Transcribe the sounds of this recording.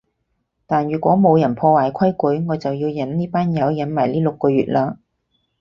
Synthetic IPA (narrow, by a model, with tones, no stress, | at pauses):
t̪aː˨nɥyː˨˩kʷɔː˨˥mo˨˧wjɐ˨˩npʰɔː˧waː˨˩jkʰɐ˥jku˨˥jŋɔː˨˧jt͡sɐ˨wjiː˧wjɐ˨˥nniː˥paː˥njɐ˨˧wjɐ˨˧˥nmaː˨˩jliː˥lʊ˨kːɔː˧ɥyː˨t̚laː˧